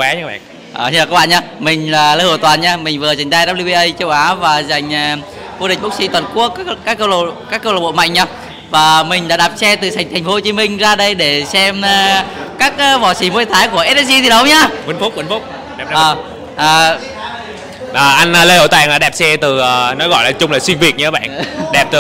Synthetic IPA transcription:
kwɛ˨˦ɲaː˧˦˥ɓa̰ː˧˨ | ʔəː˨˩t͡ɕaː˨˩aː˦˥ɓa̰ː˧˨ɲaː˧mï˨˩ŋ̟laː˨˩lə˧jho˧˩t̪waː˨˩nɲaː˧mï˨˩ŋ̟vɨ˨˩ə˩za˨˩jŋ̟t̪aː˧jɗaː˦˥p̚li˧ɓi˧ʔə˧jt͡ɕə˧wʔaː˨˦vaː˨˩za˨˩jŋ̟˨˩ | vo˧ɗï̟˨˩ɓk̚si˧˦t̪wə˨˩nku˦˥əkːaː˦˥kːə˧wlkaː˦˥kːə˧wlə˨˩ɓo̰˧˨ma̰˧˨jŋ̟ɲaː˧ | vaː˨˩mï˨˩ŋ̟ɗa̰ː˧˥ɗaː˨˩p̚sɛ˧t̪ɨ˨˩sa˨˩jŋ̟t̪ʰŋ̟fo˧˦ho˧t͡ɕi˨˦mï˧ŋ̟zaː˧ɗə˧jɗe˧˩sɛ˧mː˨˩kaː˦˥k̚ːvɔ˧˩si˧˩˦mo˨˧˦jt̪ʰaː˨˦jku˧˩əʔɛ˦˥t̚ɛ˦˥s̚i˧t̪ʰi˨˩ɗə˨˦wɲaː˧kwə˨˦nfu˦˥k͡p̚wə˨˧˦nfu˦˥k͡p̚ | ɛ˨˩p̚əː˨˩ | ʔaː˨˩ | ʔaː˨˩ʔa˧n˧lə˧jhə˧˩t̪a˧˩˨ŋlaː˨˩ɗɛ˨˩p̚sɛ˧t̪ɨ˨˩ə˨˩nɔ˨˦ɣɔ̰˧˨jlaː˨˩t͡ɕʊ˧ŋ͡mlaː˨˩swi˧nvi˨˩ək̚ɲɨ˧˦ɓa̰ː˧˨nɗɛ˨˩p̚t̪ɨ˨

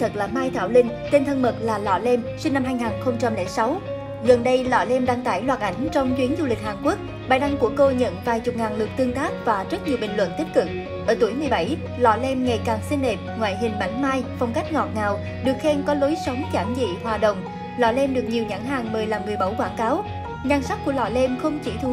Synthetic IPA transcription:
t̪ʰə˨˩k̚laː˨˩maː˧jt̪ʰaː˧˩wlï˧ŋ̟t̪e˧nt̪ʰə˧nmə˨˩t̚laː˨˩lɔ̰˧˩lɛ˧msi˧ŋ̟na˧mhaː˧jŋaː˨˩nxə˧wŋ͡mt͡ɕa˧mlɛ̰˧˩sa˨˦w | ɣə˨˩nɗə˧jlɔ̰˧˩lɛ˧mɗaː˧ŋt̪aː˧˩jlwaː˨˩t̚ʔa˧˩jŋ̟t͡ɕɔ˧wŋ͡mt͡ɕwi˨˦nzu˧lï˨˩k̟̚haː˨˩nku˦˥ək̚ | ɓaː˨˩jɗa˧ŋku˧˩əko˧ɲə̰˧˨nvaː˨˩jt͡ɕʊ˨˩k͡p̚ŋaː˨˩nlɨ˨˩ək̚t̪ɨ˧əŋt̪aː˦˥k̚vaː˨˩zə˦˥t̚ɲi˨˩əɓï˨˩ŋ̟lwə̰˧˨nt̪i̟˦˥kɨ˨˩k̚ | ʔəː˧˩t̪u˧˩əjmɨ˨˩əjɓa˧˩j | lɔ̰˧˩le˧mŋa˨˩jkaː˨˩ŋsi˧ŋ̟ːe˨˩p̚ŋwaː˧˨jɦï˨˩ŋ̟ma̰˧˩jŋ̟maː˧jfɔ˧˩wŋ͡mka˦˥jk̟̚ŋɔ˨˩t̚ŋaː˨˩w | ɗɨ˨˩ək̚xe˧nkɔ˨˦lo˨˦jsə˨˦wŋ͡mt͡ɕaː˧˩mzḭ˧˨hwaː˨˩ɗə̰˧˨wŋ͡m | lɔ̰˧˩le˧mɗɨ˨˩ək̚ɲi˨˩əwɲa˧˥ŋɦaː˨˩ŋmɨ˨˩əjlaː˨˩mːɨ˨˩əjɓə˧˩wkwaː˧˩ŋkaː˨˦w | ɲaː˧ŋsa˦˥t̚ku˧˩əlɔ̰˧˩le˧mxə˧wŋ͡mt͡ɕi˧˩t̪ʰu˧˦

